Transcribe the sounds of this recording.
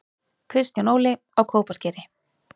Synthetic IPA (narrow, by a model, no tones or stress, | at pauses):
kʰɾɪst̪janoːwlɪ | awkʰoːwpascɛːɾɪ